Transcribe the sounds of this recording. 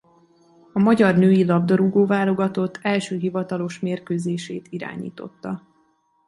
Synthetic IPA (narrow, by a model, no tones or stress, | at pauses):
ɒmɒɟɒrnøːjilɒbd̪ɒɾuɡoːvaːlo̞ɡɒt̪o̞t̪ʰːɛlʃøːɦivɒt̪ɒlo̞ʃmeːrkøːzeːʃeːt̪iɾa̰ːɲḭːt̪o̞̰t̪ːɒ